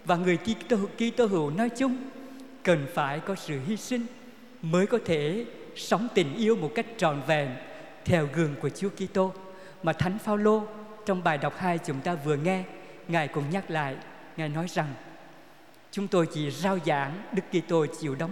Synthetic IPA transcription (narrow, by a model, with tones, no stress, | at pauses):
vaː˨˩ŋɨ˨˩əjki˧ki˧t̪o˧ɦɨ̰˧˩wnɔ˨˦jt͡ɕʊ˧ŋ͡m | kə˨˩nfaː˧˩jkɔ˨˦sɨ̰˧˨ɦi˧sï˧ŋ̟ | məː˨˦jkɔ˨˦t̪ʰe˧˩ | sa˨˦wŋ͡mt̪ï˨˩ŋ̟ʔi˧əwmo˨˩t̚ka˦˥jk̟̚t͡ɕɔ̰˧˨nvɛ̰˨˩m | t̪ʰɛ˧˩wɣɨ˨˩əŋku˧˩ət͡ɕu˨˦əki˧t̪o˧ | maː˨˩t̪ʰa˨˦jŋ̟faː˧wlo˧ | t͡ɕɔ˧wŋ͡mɓaː˨˩jɗa˨˩wk͡p̚haː˧jt͡ɕʊ˨˦ŋ͡mt̪aː˧vɨ˨˩əŋɛ˧ | ŋaː˨˩jkʊ̰˧˥ŋ͡mɲa˦˥k̚la̰ː˧˨j | ŋaː˨˩jnɔ˨˦jza˨˩ŋ | t͡ɕʊ˨˦ŋ͡mt̪o˧jt͡ɕḭ˧˩zaː˧wza̰ː˧˥ŋɗɨ˦˥kːi˧t̪o˧t͡ɕḭ˧˩əwɗə˨˦wŋ͡m